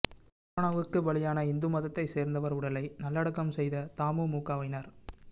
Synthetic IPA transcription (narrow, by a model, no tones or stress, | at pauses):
oːɳɐʋɯkːɯbɐɭɪjaːnɐɪnd̪ɯmɐðɐt̪ːɐɪseːɾnd̪ɐʋɐɾʊɽɐlɐɪnɐlːɐɽɯkːɐmsɛjðɐt̪aːmɯmuːkːaːʋɐɪnaɾ